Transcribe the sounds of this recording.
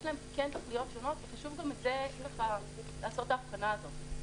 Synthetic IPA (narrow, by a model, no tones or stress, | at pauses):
jʃlaemkikent̪oχlijo̞tʃono̞tveχaʃuvɡametzeiʃleχa | laːsot̪aːfkanaːzo̞t